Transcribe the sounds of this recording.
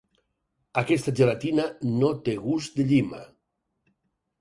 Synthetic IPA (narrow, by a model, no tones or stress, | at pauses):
akest̪ad͡ʒeɾat̪inanot̪eɣuzd̪eʎima̰